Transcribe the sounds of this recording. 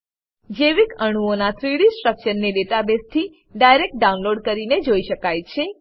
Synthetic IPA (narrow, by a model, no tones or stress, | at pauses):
d͡ʒeʋikəɽ̃uonat̪ʰɾiɽisʈɾəkʃənːeɖeʈabest̪ʰi | ɖajɾek̚ʈ̚ɖaunloɖkəɾined͡ʒoiʃəkajt͡ʃʰe